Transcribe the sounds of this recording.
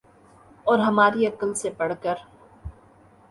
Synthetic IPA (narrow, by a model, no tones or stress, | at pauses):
ɔːɾɦɐmaːɾiɐkəlsepɐɽ̤kəɾ